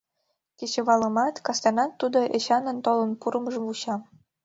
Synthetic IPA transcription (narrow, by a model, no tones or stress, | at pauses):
ket͡ɕə̆βɑləmɑt̪kɑst̪ɑnɑt̪ːud̪oʔeɕɑnənt̪olənpuɾəməʒəmuɕɑm